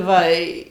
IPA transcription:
ˈʋɐ ɪ

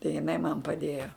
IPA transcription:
tɐɪ jɪˈnɐɪ mɐn pɐˈdʲeːjoː

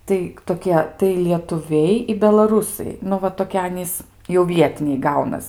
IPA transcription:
tɐɪ toːˈkʲiɛ tɐɪ lʲiɛtʊˈʋʲɛɪ ɪ bʲɛlˠɐˈruːsɐɪ ˈnʊ ʋɐ toːˈkʲiɛ ˈɑːnʲiːs jɛʊ ˈʋʲiɛtʲɪnʲɛɪ ˈɡɐʊnɐs

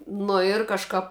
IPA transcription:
ˈnʊ ɪr kɐʃˈkɐp

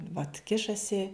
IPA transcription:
ʋɐt ˈkʲɪʃɐsʲɪ

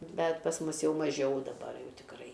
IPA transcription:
ˈbʲɛt pɐs ˈmʊs ˈjɛʊ mɐˈʒʲɛʊ dɐˈbɐr ˈjɛʊ tʲɪkˈrɐɪ

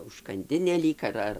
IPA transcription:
ʊʃkɐnʲˈdʲɪnʲeː ˈlʲiːk ɐr ˈɐr

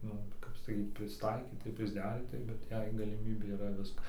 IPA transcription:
ˈnʊ kɐp sɐˈkʲiːt pʲrʲɪsˈtɐɪkʲiːtɐɪ ɪr pʲrʲɪzʲˈdʲæːrʲiːtɐɪ bʲɛt ˈjɛɪ ɡɐlʲɪˈmʲiːbʲeː iːˈrɐ ˈʋʲɪskɐ

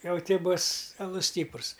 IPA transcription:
ˈjɛʊ ˈtʲiː ˈbʊs ɐˈlˠʊs ˈsʲtʲiːprʊs

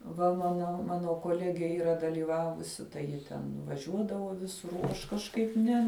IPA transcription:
ˈʋɐ ˈmɑːnoː ˈmɑːnoː koːˈlʲæːɡʲeː ˈiːrɐ dɐlʲiːˈʋɑːʋʊsʲɪ tɐɪ ˈjɪ tʲɛn ʋɐˈʒʲuɔdɐʋoː ˈʋʲɪsʊr oː ˈɐʃ kɐʃˈkɐɪp ˈnʲɛ

